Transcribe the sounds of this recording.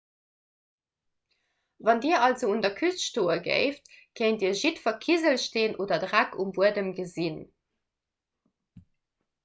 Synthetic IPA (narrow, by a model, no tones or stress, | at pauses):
vɑndiːɐʔɑlzoundɐkʰysʃtoːəɡə̰ɪftkʰeɪndiːɐʒitfɐkʰizəlʃteːnʔoːdɐdʁækʰumvuədəmɡəzin